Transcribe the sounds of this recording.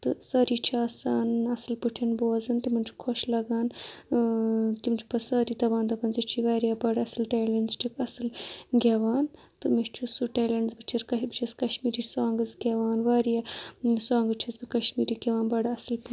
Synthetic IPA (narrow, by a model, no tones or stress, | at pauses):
t̪ɨsɐɾiːt͡ʃʰiasaːnɐsɨlpɨʈʰenboːzɐnt̪imɐnt͡ʃʰu̥kʰoʃlɐɡaːn | t̪imt͡ʃʰu̥pɐsɐɾiːt̪ɐbaːnt̪ɐpɐnzit͡ʃʰiʋaːɾijaːbɐɽɐsɨlʈeːlɐɳɖzʈʰikɐsɨlɡʲɐʋaːn | t̪ɨmiʃt͡ʃʰusuʈeːlɐɳɖzbɨt͡ʃʰiɾkɐbt͡ʃʰiskɐʃmiːɾiːsuaːŋɡɨzɡʲeʋaːnʋaːɾijasuãːŋɡɨt͡ʃʰɐzbikɐʃmiːɾiːɡʲeʋaːnbɐɽɐsɨlp